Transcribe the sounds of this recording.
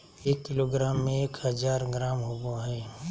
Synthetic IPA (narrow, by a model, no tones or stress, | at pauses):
eːkːɪloɡɾaːmːẽeːkɦɐd͡ʒaːɾɡɾaːmɦoboɦɛː